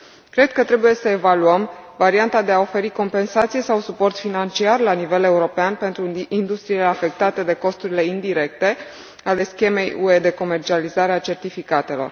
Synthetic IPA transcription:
kɾe̞d̪̚kət̪ɾe̞buje̞səevaluəmvaɾiant̪ad̪e̞ao̞fe̞ɾiko̞mpe̞nsat̪sije̞sawsupo̞rt̪finant͡ʃiarlanive̞le̞uɾo̞peanpe̞nt̪ɾuind̪ust̪ɾiileafe̞k̚t̪at̪ed̪e̞ko̞st̪uɾile̞ind̪iɾe̞k̚t̪e̞ | ale̞skʲe̞me̞jue̞d̪e̞ko̞me̞rt͡ʃializaɾeat͡ʃe̞rt̪ifikat̪e̞lo̞̰r

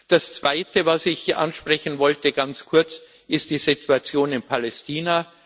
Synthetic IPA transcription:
d̥ast͡sv̥aɪtʰəvasɪçʔa̰nʃpʁ̥ɛçn̩vɔltəɡ̥ant͡skʰʊɐt͡s | ʔɪst̚d̥iːzɪtʰuat͡sjoːnɪnpʰalɛstʰiːna

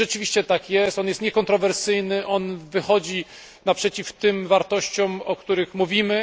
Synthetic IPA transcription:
ʐɛt͡ʂɘvʲiɕt͡ɕɛt̪akjɛst̪ɔnjɛst̪ɲɛkɔnt̪ɾɔvɛɾsɘjnɘʔɔnvɘxɔd͡ʑi | napʂɛt͡ɕift̪ɘmvaɾt̪ɔɕt͡ɕɔmɔkt̪uɾɘxmuvʲimɘ

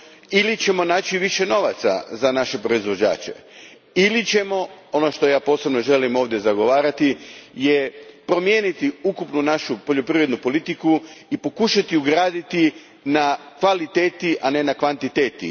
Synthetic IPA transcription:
ilit͡ɕe̞mo̞naːt͡ɕiʋiʃe̞no̞ʋat̪sa̰zanaʃe̞pɾo̞izʋo̞d͡ʑa̰ːt͡ɕe̞̰ | ilit͡ɕe̞mo̞o̞no̞ʃt̪o̞jaːpo̞ːse̞bno̞ʒe̞limo̞ːʋd̪je̞zaɡo̞ʋaːɾat̪ijepɾo̞mjeːnit̪iukupnunaʃupo̞ʎo̞pɾiʋɾed̪nupo̞lit̪ikuipo̞kuʃat̪iuɡɾaːd̪it̪i | nakʋalit̪eːt̪iʔane̞nakʋant̪it̪eːt̪ḭ

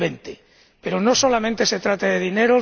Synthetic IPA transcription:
ent̪e | pe̞ɾono̞so̞lamẽnt̪e̞se̞t̪ɾat̪aðe̞ðine̞ɾo

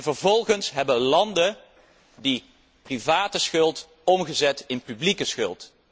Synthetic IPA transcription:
vəɹvɔlˠχənsɦɛbəlɑndə | di | privaːtəsχɵlˠt | ɔmχəzɛtɪnpyblikəsχɵlˠt

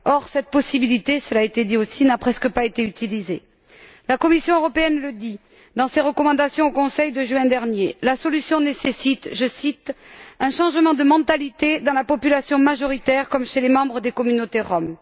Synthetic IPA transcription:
ɔʁsɛt̪̚pɔsibilit̪esəlaet̪ed̪iosinapχɛskəpaet̪eyt̪ilize | lakɔmisjɔ̃øʁɔpeɛnləd̪i | d̪ɑ̃seʁəkɔmɑ̃d̪asjɔ̃okɔ̃sɛjd̪əʒɥɛ̃d̪ɛʁnjelasɔlysjɔ̃nesesit̪ʒəsit̪ɛ̃ʃɑ̃ʒmɑ̃d̪əmɑ̃t̪alit̪ed̪ɑ̃lapɔpylasjɔ̃maʒɔʁit̪ɛʁkɔmʃelemɑ̃bʁəd̪ekɔmynot̪eʁɔm

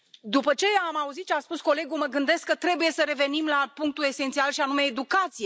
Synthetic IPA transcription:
d̪upət͡ʃe̞amauzit̪ʃiaspusko̞le̞ɡuməɡɨnd̪e̞skːət̪ɾe̞buje̞səɾe̞ve̞nimlapuŋk̚t̪ue̞se̞nt̪sialʃianume̞ːd̪ukat̪sije̞

